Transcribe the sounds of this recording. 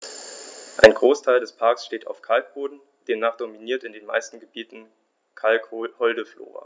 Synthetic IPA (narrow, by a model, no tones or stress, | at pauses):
ʔa̰ɪnɡʁoːstʰaɪldɛspʰaɐksʃteːta̰ʊfkʰalk̚b̥oːdn̩ | d̥eːmnaːχd̥ominiːɐtɪndeːnma̰ɪstn̩ɡəbiːtn̩ | kʰalkhɔldəflo̰ːʁɐ̰